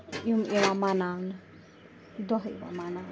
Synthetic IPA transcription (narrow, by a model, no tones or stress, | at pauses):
iumeʋamanan | d̪ɔɦḛʋa̰mana